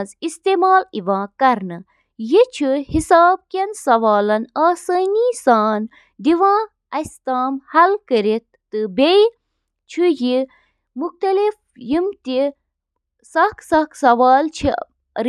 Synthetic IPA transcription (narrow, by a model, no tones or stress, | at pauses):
zist̪emaːliʋãːkɐɾnɨ | jit͡ʃʰihisaːb̚kʲɐnsɐʋaːlɐnaːsaːniːsaːn | d̪iʋãː | ɐst̪aːmhɐlkəɾit̪̚ːɨbej | t͡ʃʰiji | muxt̪ɐlif | jimt̪i | sɐksɐksɐʋaːlt͡ʃʰi | ɾ